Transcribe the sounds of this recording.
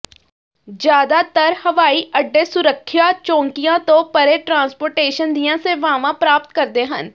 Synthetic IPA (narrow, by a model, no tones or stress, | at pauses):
d͡ʒjaːd̪aːt̪əɾhəʋaːiːʔəɖːeːsʊɾəkʰːjaːt͡ʃɔ̃ːŋkɪjãːt̪õːpəɾeːʈɾãːnspoːɾʈeːʃənd̪ijãːseʋaːʋãːpɾaːp̚t̪̚kəɾd̪eːɦən